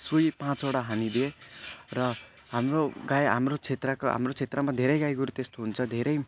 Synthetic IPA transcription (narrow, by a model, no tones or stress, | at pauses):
sujipãt͡soɽaɦanid̪ierʌ | ɦamroɡajɦa̰mrot͡sʰet̪rʌkoɦa̰mrot͡sʰet̪rʌmad̪ʱeɾʌjɡajɡuɾut̪est̪oɦunt͡sʰʌd̪ʱeɾʌj